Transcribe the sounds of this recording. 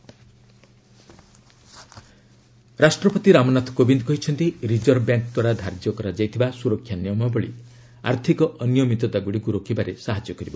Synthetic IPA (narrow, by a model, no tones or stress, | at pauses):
ɾasʈɾɔpɔt̪iɾamɔnat̪ʰkobind̪kɔɦit͡ʃʰɔnt̪iɾid͡ʒɔɾbjaŋkd̪waɾad̪ʱaɾd͡ʒjɔkɔɾad͡ʒajt̪ʰibasuɾɔkʰjanjɔmɔbɔɭḭ | a̰ɾt̪ʰikɔʔɔnjɔmit̪ɔt̪aɡuɽiɡuɾokibaɾesaɦad͡ʒjɔkɔɾibɔ